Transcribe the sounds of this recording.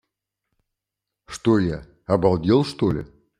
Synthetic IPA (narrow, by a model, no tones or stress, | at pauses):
ʂt̪oja | ɐbɐlˠdʲelˠʂt̪olʲɪ̰